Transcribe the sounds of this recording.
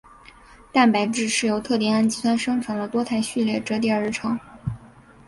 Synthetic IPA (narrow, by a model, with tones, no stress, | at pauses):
t̪a˥˩npa˧˥ɪʈ͡ʂɻ̩˥˧ʂɻ̩˥˩jo˧˥ʊt̪ʰɤ˥˧t̪jɛ˥˩na˥˩nt͡ɕi˥˩swa˥nʂɤ˥ŋʈ͡ʂʰɤ˧˥ŋd̪ə˧t̪wɔ˥t̪ʰa˥˧ɪɕy˥˧ljɛ˥˩ʈ͡ʂɤ˧˥t̪jɛ˥˩ə˧˥ʈ͡ʂʰɤ˧˥ŋ